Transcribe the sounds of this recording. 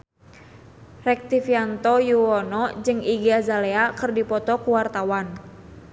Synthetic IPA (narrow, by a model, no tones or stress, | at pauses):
rɛk̚t̪ifiant̪ɔjuwɔnɔd͡ʒɨŋiɡazaleakɨrdipɔt̪ɔkuwart̪awan